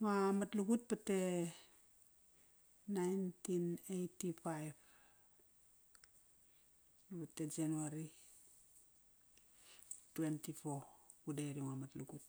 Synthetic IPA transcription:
ŋamatluɡut̚pate | najntinejtipajb | napate̞d͡ʒanuaɾi | twentipokudeɾiŋamatluɡut̚

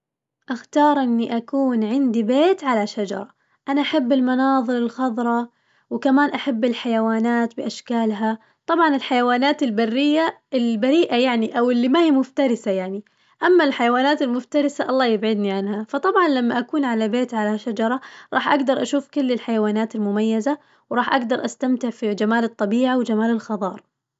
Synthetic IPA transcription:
ʔaxt̪ɑːɾˤʔɪnːiʔakuːnʕɪnd̪ibeːt̪ʕalaʃad͡ʒɑ̰ɾˤɑ | ʔanaʔaħabːɪlmɑnɑːðˤɨɾɪlxɑðˤɾˤɑ | wkamaːnʔaħabːɪlħajawaːnaːt̪bɪʔaʃkaːlɦa | t̪ˤɑbʕɑnɪlħajawaːnaːt̪ɪlbarːɪjːaɪlbaɾiːʔajaʕniʔawɪlːimahiːmʊft̪ɑɾˤɪsajaʕni | ʔamːalħajawaːnaːt̪ɪlmʊft̪ɑɾɪsaʔɑlˤːɑːjɪbʕɪd̪niʕanhafɑt̪ˤɑbʕɑnlamːaʔakuːnʕalabeːt̪ʕalaʃad͡ʒɑɾˤɑɾˤɑ̰ːħʔaɡd̪ɑɾˤʔaʃuːfkʊlːɪlħajawaːnaːt̪ɪlmʊmajːaza | wɾˤɑːħʔaɡd̪ɑɾˤʔast̪amt̪ɪʕfid͡ʒamaːlɨt̪ˤːɑbiːʕawɪd͡ʒamaːlɪlxɑðˤɑːɾˤ

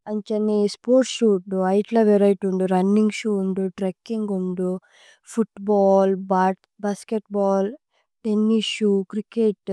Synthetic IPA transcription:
ɐɲt͡ʃɐnispoːɾʈʃuːʈuɐjʈlɐʋeɾɐjʈuɳɖuɾɐnːiŋɡʃuːuɳɖ̪uʈɾekːiŋɡuɳɖu | pʰuʈbaːlbaː | baːskeʈ̚baːl | ʈenːisʃuːkɾikeʈ

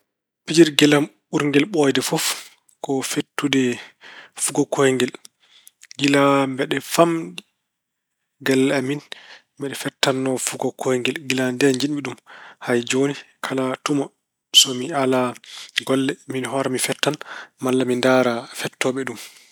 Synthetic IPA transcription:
pid͡ʒiɾɡɛlam | uɾŋɡɛlɓɔjdɛfɔf | kɔfetːudɛ | fuɡɔkʰɔjŋɡɛl | ɡilambɛɗɛfamɗi | ɡalːaminmbɛɗɛfɛtːanːɔfuɡɔkʰɔjŋɡɛlɡilandɛɲd͡ʒinɓiɗumhajd͡ʒoni | kʰalatumɔ | sɔmialaɡɔlːɛminɦɔɾamifɛtːanmalːamindaɾafɛtːɔɓɛɗum

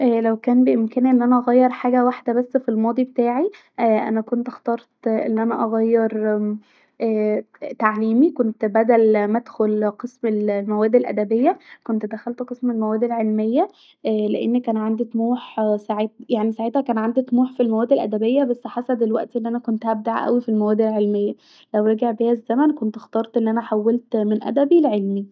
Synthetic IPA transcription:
ʔæːlæwkæːnbeʔemkæːnʔenːʔænæʔɑɣæjːeɾˤħaːɡæwaħd̪æbæsːfilmɑːd̪ˤibet̪aːʕi | ʔæːʔæ̰nækont̪ʔɑxt̪ɑːɾˤt̪ʔḛnːʔænæʔɑɣæjːeɾˤ | æː | t̪aʕliːmikont̪bæd̪ælmæd̪xolqesmelmæwæːd̪elʔæ̰d̪æbejːækont̪d̪æxælt̪qesmelmæwæːd̪elʕelmejːæ | leʔenːækːæːnʕand̪it̪muːħsaʕet̪̚jaʕnisaʕeːt̪hækæːnʕand̪it̪ˤmuːħfilmæwæːd̪ːelʔæ̰d̪æbejːæbæsːħasæd̪elwæʔt̪iʔenːiʔænækont̪ʔæb̚d̪aʕʔæ̰wifilmæwæːd̪elʕelmejːæ | læwɾeɡeʕbejæzːæmænkont̪ext̪ɑːɾˤt̪ʔenːʔænæħawːælt̪menʔæ̰d̪æbilʕelmi

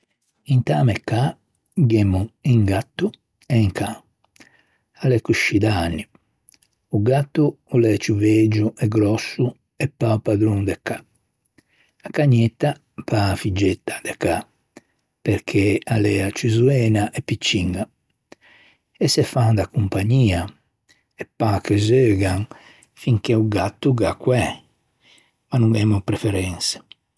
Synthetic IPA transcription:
int̪aːmɛkːa | ɡɛmːuiŋɡat̪ːu | ɛiŋkʰa | alɛkuʃːid̪aanːi | uɡat̪ːuulɛt͡ʃuved͡ʒuʔɛɡɾɔsːu | ɛpːaupad̪ɾund̪ɛkːa | akːaɲːɛt̪ːa | pafid͡ʒːet̪ːḁd̪ɛka | peɾkʰealɛat͡ʃizuɛːnaʔɛpːit͡ʃːiŋɡa | ɛsːɛfand̪akumpaɲːiːa | ɛpːakezøːɡaŋ | fiŋkeuɡat̪ːuɡakːwɛ | manuŋɛmupɾɛfɛɾɛnsɛ̥

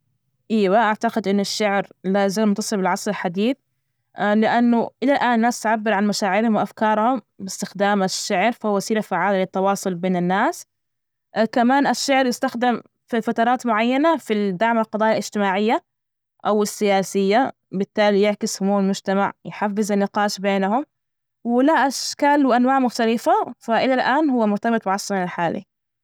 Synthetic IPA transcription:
ʔiːwaʔaʕt̪aqɪd̪ʔɪnːaʃːaʕɾlaːzɪmt̪ɨsˤɨbɪlʕɑsˤɾɪlħad̪iːθ | lɪʔanːʊʔɪlalʔaːnnːaːst̪ʕabːɪɾʕanmaʃaːʕɪɾhʊmwɪʔafkɑːɾˤhʊm | bɪst̪ɪxd̪aːmaʃːaʕɾfahʊwːasiːɾafaʕːaːlalɪt̪ːɑwɑːsˤʊlbeːnanːaːs | kamaːnʔaʃːaʕɾjɪst̪axd̪ɪm | fifat̪ɑɾˤɑːt̪mʊʕajːanafid̪aʕmalqɑd̪ˤɑːjalɪd͡ʒt̪ɪmaːʕɪjːa | ʔawɪsːɪjaːsɪjːa | bɪt̪ːaːlijɪʕkɪshʊmuːɪlmʊd͡ʒt̪ama̰ʕjħafːɪzanːɪqɑːʃbeːnahʊm | wɪlaʔaʃkaːlwɪʔanwaːʕmʊxt̪alɪfafaʔɪlalʔaːnhʊwːamʊɾt̪abɨt̪ˤbɪʕɑʃɾˤɑnɪlħaːlḭ

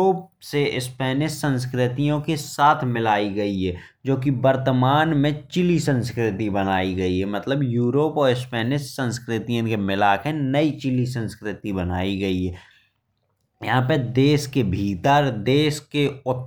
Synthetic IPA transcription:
oːpseɪspɛːnɪʃsə̃ns̬kɾɪt̪ijõkesaːt̪ʰmɪlaːiɡɐiɦɛː | d͡ʒoːkibəɾt̪əmaːnmẽt͡ʃɪlisə̃nskɾɪt̪ibənaːiɡɐiɦɛmət̪ləbjuːɾoːpɔːɾɪspɛːnɪʃsə̃nskɾɪt̪ijõkemɪlaːkʰẽnəit͡ʃɪlis̬ə̃nskɾɪt̪ibənaːiɡɐiɦɛː | jəɦãpəd̪eːʃkebʱiːt̪əɾd̪eːskeʊt̪

